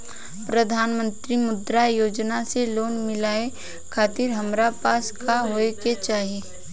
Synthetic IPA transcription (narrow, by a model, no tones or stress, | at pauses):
pɾɐd̪ʱaːnmə̃nt̪ɾimʊd̪ɾajoːd͡ʒnaseloːnmɪlaːe | kʰaːt̪ɪɾɦɐmɾapaːskʰaɦoːeket͡ʃaːɦieː